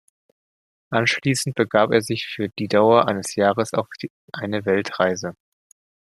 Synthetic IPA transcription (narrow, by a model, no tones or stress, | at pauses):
ʔanʃliːsn̩t̚b̥əɡaːpeːɐzɪçfyːɐd̥iːdaʊɐʔa̰ɪnəsjaːʁəsa̰ʊf | ʔaɪnəvɛltʁ̥aɪzə